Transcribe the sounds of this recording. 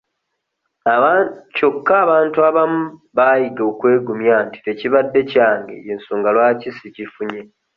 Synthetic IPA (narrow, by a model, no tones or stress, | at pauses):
aco̞kːaːβaːntuaβamuβaːjiɡoːkwe̞ːɡumjanti̥te̞ciβadːe̞caːŋɡḛjensuːŋɡalwaːcisicifuɲe̞